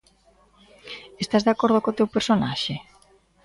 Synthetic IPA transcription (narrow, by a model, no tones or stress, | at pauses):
est̪azðakoɾð̞okot̪ewpeɾsonaʃe